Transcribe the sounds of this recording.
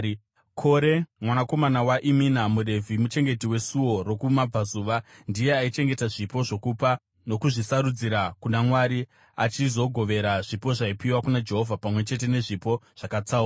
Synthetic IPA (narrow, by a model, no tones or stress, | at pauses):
kʰo̞ɾe̞mwanako̞manawaʔiminamuɾe̞vʱimut͡ʃe̞ŋɡe̞tiwe̞suwo̞ro̞kumab͡vazuːʋandije̞ait͡ʃe̞ŋɡe̞taʐipo̞ʐo̞kupa | no̞kuʐisaɾud͡ziɾakunamwaɾi | at͡ʃizo̞ɡʱo̞ʋe̞ɾaʐipo̞ʐaipiwakunad͡ʒe̞ɦo̞vʱapamwe̞t͡ʃe̞t̬e̞ne̞ʐipo̞ʐ̥akat͡saura